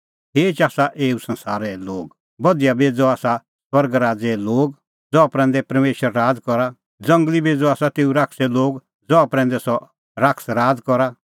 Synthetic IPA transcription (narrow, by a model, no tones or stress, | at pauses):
ɦeːt͡ʃaːsaʔeːusɐ̃nsaːɾɛloːɡ | bɐd̪ijabeːd͡zɔaːsa | swɐɾɡɾaːd͡zɛloːɡ | d͡zɔapɾɛ̃ːnd̪ɛpɐɾmeːʃəɾːaːd͡zkɔɾa | d͡zɐ̃ŋɡlibeːd͡zɔaːsat̪eːuɾakʰsɛloːɡ | d͡zɔapɾɛ̃ːnd̪ɛsɔ | ɾaksɾaːd͡zkɔɾa